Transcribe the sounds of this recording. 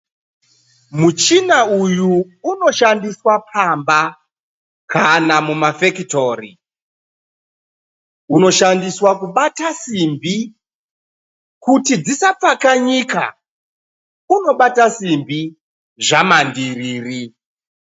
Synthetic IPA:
mut͡ʃinaujuː | no̞ʃandiswapʰamba | kʰanamumafekito̞ri | uno̞ʃandiswakuɓatasimbi | kutid͡zisap͡fakaɲika̰ | uno̞ɓatasimbi | ʐamandiriːri

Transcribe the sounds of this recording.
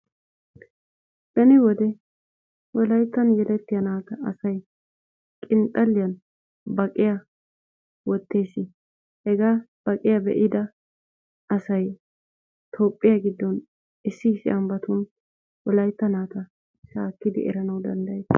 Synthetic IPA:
d̪ɐnɪwɔd̪ɛ | wɔlɐjt̪ːɐnjɛlɛt̪ːɪjɐnaːt̪ɐːsɐj | kʼɪnt̪ʼːɐlːɪjɐn | bɐkʼːɪjɐ | wɔt̪ːeːsɪ | hɛɡaːb̥ɐkʼɪjɐbɛ̰ʔɪd̪ɐ | ɐsɐj | t̪ʰoːpʼːɪjɐɡɪd̪ːɔn | ɪsːɪːsːɪ̰ʔɐmbɐt̪ʊn | wɔlɐjt̪ːɐnaːt̪ɐ | ʃaːkːɪd̪ɪ̰ʔɛ̰ɾɐnɐwd̪ɐnd̪ɐjd̪ɐ

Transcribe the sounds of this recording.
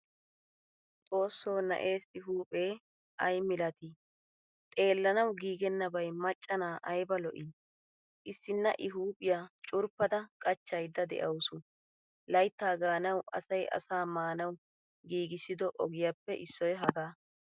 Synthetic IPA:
t͡sʼo̞ːsːoːnɐ̰ʔe̞ːsɪɦuːpʼe̞ː | ʔɐjmɪlɐt̪i | t̪ʼe̞ːlːɐnɐwɡiːɡɛnːɐbɐjmɐt͡ʃʼːɐnaːʔɐjbɐlɔʔiː | ʔɪsːɪnːɐ̰ʔɪɦuːpʼɪjaːt͡ʃʼʊɾpːɐd̪ɐkʼɐt͡ʃːɐjd̪ːɐd̪ɛ̰ʔɐwsʊ | lɐjt̪ːaːɡaːnɐwʔɐ̰sɐjʔɐ̰saːmaːnɐw | ɡiːɡɪsɪd̪ɔʔɔɡɪjapːɛʔɪsːɔjɦɐɡaː

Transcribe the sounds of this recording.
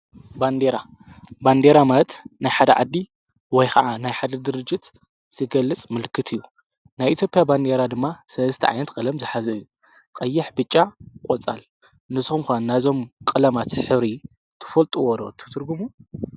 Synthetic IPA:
band̪eɾa | band̪eɾamalɐt̪najħad̪ɐʕa̰d̪ːi | wɔjkʰɐʕanajħad̪ɐd̪ɨɾɨd͡ʒːɨt̪ | z̥ɨɡɐlːɨt͡sʼmɨlkʰɨt̪ʰɨjːu | najʔit̪jo̞pʼɪjaband̪e̞ɾad̪ɨmːasɐlzst̪ʰɐ̰ʕa̰jnɐt̪kʼɐlɐmzɨħazɐjːu | kʼɐjːɪħbɨt͡ʃʼːakʼot͡sʼa̰l | nɨsxumkʷanːazo̞mkʼɨlɐmat̪ħɨβɾi | t̪ʰɨ̥fɐlt̪ʼuwɔd̪o̰t̪ʰɨ̥t̪ʰɨɾɡumu

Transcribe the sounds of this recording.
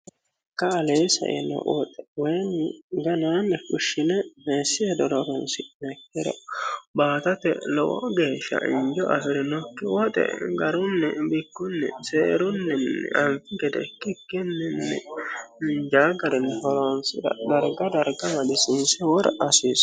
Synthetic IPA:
kːɐːleːsɐ̰ʔɛ̰nɔ̰wɔt̪ʼɛ̥wɔjnɪɡɐnaːnːɛkʊʃːɪnɛmeːsːɪɛd̪ɔɾɔɾɔnsɪmɛkːɪɾɔ̰baːt̪ɐt̪ɛ̰lɔʔɔ̰ɡeːʃɐ̰ʔɪ̰nd͡ʒɔʔɐfɪɾɪnɔkːɪwɔt̪ʼɛ̰ɡɐɾʊnːɛbɪkːʊnːɛ̰seːɾʊnːɛnːɛ̰ʔɐnfɪɡɛd̪ɛ̰kːɪkːɪnːɛnːɛ̰ɪnd͡ʒaːɡɐɾɛnːɛhɔloːnsɪɾɐ̰d̪ɐɾɡɐd̪ɐɾɡɐmɐd̪ɪsɪnsɛwɔɾʔɐsiːs

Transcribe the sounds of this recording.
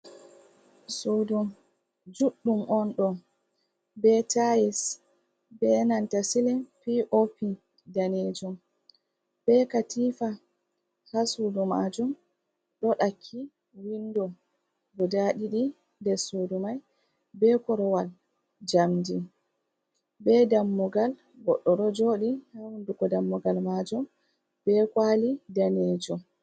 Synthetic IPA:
sodum | d͡ʒuɗːumʔɔnɗɔ | bɛtajis | bɛnantasilɛnfiʔofi | daned͡ʒum | b̥ɛkatiːfa | hasudumad͡ʒum | ɗɔɗakʰːi | windɔ | ɡɔdaɗiɗi | ndɛsudumaj | bɛkɔɾɔwal | d͡ʒamdi | bɛdamːuɡal | ɡɔɗːɔɗɔd͡ʒoːɗihawunduɡɔdamːɔɡalmad͡ʒɔm | bɛkalidaned͡ʒɔm

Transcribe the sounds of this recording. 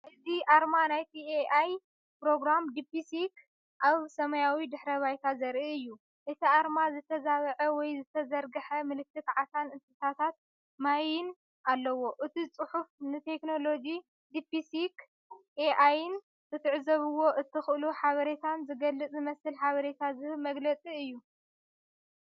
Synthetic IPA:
ʔɨziʔaɾmanajt̪ʰieʔaj | pɾo̞ɡɾamd̪ipisik | ʔaβsɐmɐjawid̪ɨħɾɐβajt̪ʰazɐɾʔiɨjːu | ʔɨt̪ʰiʔaɾmazɨt̪ʰɐzaβɐʕɐwɔjzɨt̪ʰɐzɐɾɡɨħɐmɨlɨk̚t̪ʰːɨk̪ʕasanɨsʼɨt̪ʰat̪ʰat̪̚ | majɪn | ʔalːɐwo̞ʔɨt̪ʰit͡sʼɨħufnɨt̪ʰe̞kno̞lo̞d͡ʒi | d̪ipisik | eʔajɪn | kɨt̪ʰɨʕzɐβɨwo̞ʔɨt̪ʰːɨxʔɨluħaβɐɾe̞t̪ʰanzɨɡɐlːɨt͡sʼzɨmɐsɨlħaβɐɾet̪ʰazɨhɨlmɐɡlɐt͡sʼiɨjːu

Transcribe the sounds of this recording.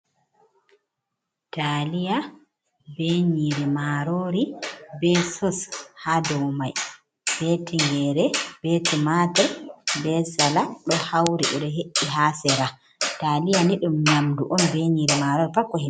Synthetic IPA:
talija | beɲiɾimaɾoːɾibɛsɔshadɔwmaj | b̥ɛtʰiŋɡɛɾɛb̥ɛtimatɛɾbɛsalaɗɔhawɾiʔɔɗɔɦeʔːiɦasɛɾa | taːlijaniɗumnamduʔɔnbeɲiɾimaɾoɾifakːɔhi

